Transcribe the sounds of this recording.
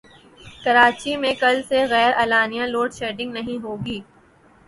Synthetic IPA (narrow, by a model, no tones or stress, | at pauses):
kɐɾaːt͡ʃimẽkɐlseɣɛːɾɛːlaːnijãloːʈʃeːʈɪ̃ŋɡnɐɦĩɦoːɡiː